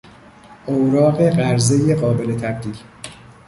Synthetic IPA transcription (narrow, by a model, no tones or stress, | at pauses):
ʔoɾɒːɣe̞ɢæɾzejeɢɒːbe̞le̞t̪ʰæb̚d̪iːl